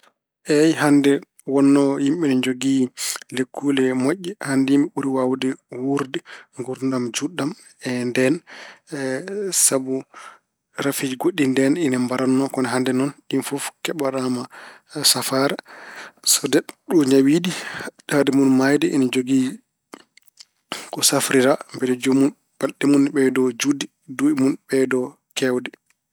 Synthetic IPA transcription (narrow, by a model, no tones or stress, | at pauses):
ʔɛjhandɛ | wɔnːɔjimɓɛnɛd͡ʒoɡilekːulɛmoʔːɛhandimiɓuɾiwawdɛwuɾdiŋɡuɾndamd͡ʒuɗːam | ɛndɛn | sabu | ɾafid͡ʒiɡoɗːindɛninambaɾanːɔkɔnɛɦandɛnɔnɗinfɔfkɛɓaɾamasafaɾa | sɔdɛɗɔɲawidiɗadɛmunmajdɛʔḭnad͡ʒoɡi | kɔsafɾiɾambɛdɛd͡ʒomun | b̥alɗɛmunɓɛdɔd͡ʒudi | duimunbɛdɔ | kɛwdɛ